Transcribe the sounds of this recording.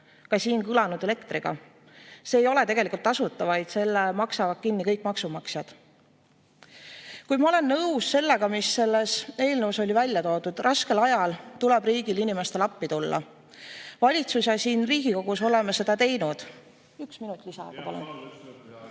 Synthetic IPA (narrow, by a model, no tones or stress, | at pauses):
kɑsiːnkɯlɑnud̪̥ele̞kt̪riɡ̥ɑ̰ | seːjo̞let̪e̞ɡ̥e̞likˑult̪ːɑsut̪ːˑɑvɑjd̪se̞lːemɑksɑvɑt̪̚kinːikɤ̞jkmɑksumɑksjɑd̪̥ | kujmɑo̞le̞nːɤwsse̞lːe̞ɡ̥ɑmisːe̞lːese̞ːlnəwso̞lʲivælʲjɑt̪o̞ːd̪ud̪̥rʔɑske̞lɑjɑlt̪ulɛb̥riːɡ̥ilinime̞st̪e̞lɑpːit̪ulːɑ̰ | vɑlʲit̪sus̬jɑsiːnriːɡ̥iko̞ɡ̥uso̞le̞mese̞d̪̥ɑt̪e̞jnud̪̥ | yksminut̪ːˑlisɑ̰ɡ̥ɑpɑlṵn